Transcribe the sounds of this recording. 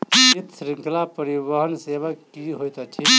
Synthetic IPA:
sit̪sɾiŋkʰlapəɾibəɦənsebakiɦojt̪ɔt͡ʃʰi

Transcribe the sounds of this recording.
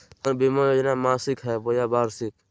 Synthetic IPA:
ənbiːmaːjoːd͡ʒnaːmaːsɪkɦɛːboːjaːbaːɾsɪk

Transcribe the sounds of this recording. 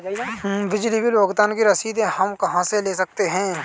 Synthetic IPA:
bɪd͡ʒlibiloːɡt̪aːnkiɾɐsiːd̪ẽɦɐmkɐɦãseleːs̬ɐk̚t̪eɦɛ̃ː

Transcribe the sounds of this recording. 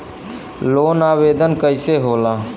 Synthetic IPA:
loːnaːʋeːd̪ənkəɪseɦoːlaː

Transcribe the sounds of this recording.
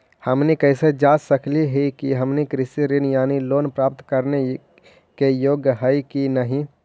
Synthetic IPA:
həmnikəɪsed͡ʒaːsəkliɦikiɦəmnikɾɪsiɾɪnjaːniloːnpɾaːp̚t̪kəɾne | kejoːɡjəɦəikinəɦĩ

